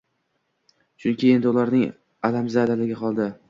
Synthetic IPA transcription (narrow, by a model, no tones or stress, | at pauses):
t͡ʃʰʊnkʲʰie̞nd̪ɪʊlaɾnɪŋ | alamzalalɪɡʲaqɒlˠd̪ɪ